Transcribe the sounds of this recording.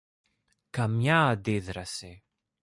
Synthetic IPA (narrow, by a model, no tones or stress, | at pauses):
kamjad̪ɪðɾase